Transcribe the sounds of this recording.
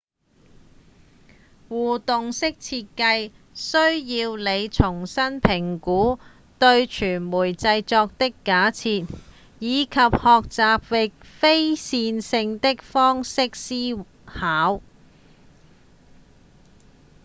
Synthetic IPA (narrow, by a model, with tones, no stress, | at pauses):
wuː˨˩t̪ʊ˨ŋsɪ˥k̚t͡sʰiː˧t̚kɐ˧j | sɵ˥ɥjiː˧wle˨˧jt͡sʰʊ˨˩ŋsɐ˥npʰɪ˨˩ŋkuː˨˥ | t̪ɵ˧ɥt͡ʃʰyː˨˩nmuː˨˩jt͡sɐ˧jt͡sɔː˧k̚t̪ɪ˥kːaː˨˥t͡sʰiː˧t̚ | jiː˨˧kʰɐ˨p̚hɔː˨k̚t͡saː˨p̚wɪ˨k̚fe˥jsiː˧nsɪ˧ŋt̪ɪ˥k̚fɔː˥ŋsɪ˥k̚siː˥ | haː˨˥w